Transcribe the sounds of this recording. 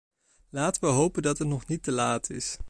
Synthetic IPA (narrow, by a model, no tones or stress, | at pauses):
laːtəʋəɦowpəndɑtɦətnɔχnitəlaːtʰɪ̰s